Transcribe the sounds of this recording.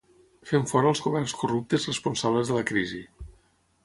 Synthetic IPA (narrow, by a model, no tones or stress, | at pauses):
feɱfɔɾəlˠzɣuβɛrnskurup̚t̪əzrəspunsaβləzðələkɾizi